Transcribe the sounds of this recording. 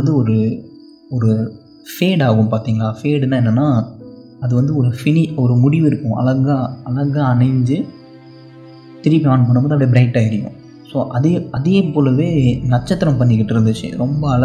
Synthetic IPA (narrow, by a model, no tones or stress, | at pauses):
nd̪ɯɔɾɯ | ɔɾɯ | feːɽaːɣɯ̃mpaːɾt̪iːŋɡɐɭaːfeːɽɛnːaːɛnːɐnːaː | ɐðɯʋɐnd̪ɯɔɾɯfɪnɪɔɾɯmʊɽɪʋɪɾɯkːʊ̃ɐ̰lɐɣaɐlɐɣaɐɳɐɪɲd͡ʒɯ | t̪ɪɾɪpːiaːnɯpoːɳːɯmboːðɯɐpːɐɽibɾɐɪʈːaːɪɾɪjʊ̰̃ | soːʔɐðeːɐðeːpoːlɐʋeːnɐt͡ʃːɐt̪ːɪɾɐmpɐɳːɪk̬ːɪʈːɪɾɯnd̪ɯt͡ʃːɯ̰ɾɔmbɐɐlɐ